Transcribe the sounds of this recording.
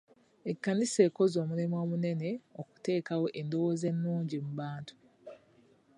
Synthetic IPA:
ekːanise̞ːko̞zo̞ːmulimwoːmune̞ne̞oku̥te̞ːkawo̞ʔe̞ndo̞woze̞nːuːɲɟimuβaːntu̥

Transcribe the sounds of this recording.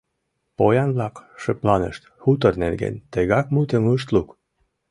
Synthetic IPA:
pojɑnblɑkʃəplɑnə̰ʃt̪xut̪ɤrnerɡḛnt̪eɣɑkmut̪ə̆mɤʃt̪luk

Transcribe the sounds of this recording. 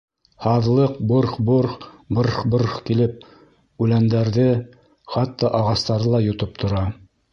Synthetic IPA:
hɑðlˠɤq̚boɾχboɾχbɤɾχboɾχkilɘp̚ | ʉlænd̪æɾðɘ | χɑt̪ːɑʔɑʁɑst̪ɑɾðɤlˠɑjŏt̪ɤp̚t̪ʰŏɾɑ

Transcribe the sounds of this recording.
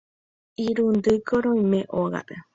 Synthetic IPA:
iɾund̪ɨkoɾoimẽʔoɣa̰ʔe

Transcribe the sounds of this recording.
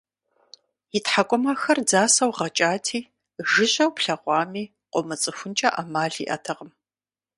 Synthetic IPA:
jɪtħakʷʼɔmɐxɐrd͡zaːsɐwʁɐt͡ʃʼaːtʰiː | ʒɨɕɐwpɬɐʁʷɑːmiː | qʷʼɔmɨt͡sʼɨxʷʊnt͡ʃʼɐʔamaːɮḭːʔɐ̰tʰɐʁəm

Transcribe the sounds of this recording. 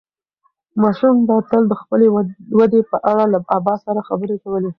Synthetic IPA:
mɑʃumd̪ɑt̪əld̪əxpəlewad̪epəʔaɽalaabɑsaɾaxabəɾekawəle

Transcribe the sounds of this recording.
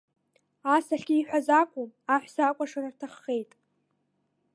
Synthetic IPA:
asaɬɡʲiːħʷᶣazakʷʼuaħʷsaakʷʼaʂarartʰaχːe̞jtʼ

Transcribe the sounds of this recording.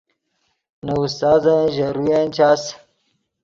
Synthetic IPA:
nɐust̪aːzãʑɐɾujent͡ɕaːs

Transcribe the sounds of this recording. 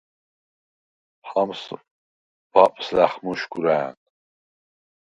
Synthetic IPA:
ħams | b̥apʼslaχmuʃɡʷuɾaːnʼ

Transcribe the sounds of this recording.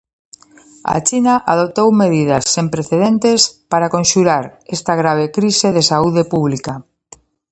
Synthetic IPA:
a̰t͡ʃinaʔaðop̚t̪owmeðiðasːempɾeθeðent̪espaɾakõnʃuɾaɾest̪aɣɾaβ̞ekɾiseðesauðepuβ̞lika

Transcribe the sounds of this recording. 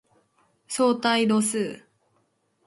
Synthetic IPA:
soːt̪aiɾosɨː

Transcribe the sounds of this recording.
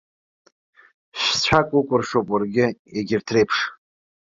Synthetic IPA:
ʃt͡ɕʷʰakʷʼʊkʷʼʊrʂopʼarɡʲɪeɡʲɪrtʰre̞jpʰʂ

